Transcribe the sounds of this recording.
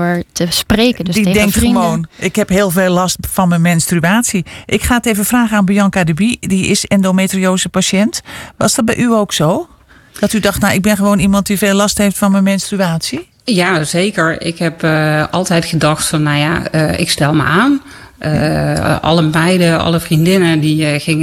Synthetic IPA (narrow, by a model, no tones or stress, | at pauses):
əɹtəspreːkədidɛŋk̚timoːnɪkhɛpɦeːlˠveːlˠːɔstfɔnməmɛnstryaːsiʔɪkxaːtevəfraːɣəanbijɔnkadəbidiɪsɛndometrioːzəpaʃɛntʋɔsdɔt̚bɛjʔyoːksoː | d̥ɔtydɔxtnaʔɪɡ̚bɪnxəʋoːnimɑnt̚diveːlːɔstheftfɔnməmɛnstryaːsji | jazeːkəɹɪ̰khɛpɔ̰lˠtɛjtxədɔxtfɔnːawja̰ɪ̰kstɛlˠmə̰aːn | ʔɔ̰ləmɛjdəɔ̰lˠəfrindɪnədixɪŋ